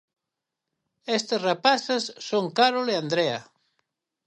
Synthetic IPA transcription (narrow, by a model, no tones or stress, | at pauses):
est̪esrapasesːoŋkaɾoleand̪ɾeɐ